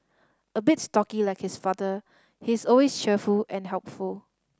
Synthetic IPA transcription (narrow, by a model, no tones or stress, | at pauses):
əbɪtstɔkilaɪkhɪsfadə | hisɔlwest͡ʃʰɛfulɛ̃nɦɛlpful